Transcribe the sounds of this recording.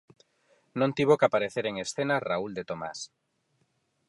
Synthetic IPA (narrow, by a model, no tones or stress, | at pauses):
nõnt̪iβ̞okapaɾeθeɾeŋesθenarauld̪et̪oma̰s